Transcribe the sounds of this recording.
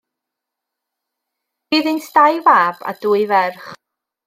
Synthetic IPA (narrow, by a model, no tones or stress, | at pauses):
b̥iːðɪnsʰdajvaːb̥a̰duːɨvɛrχ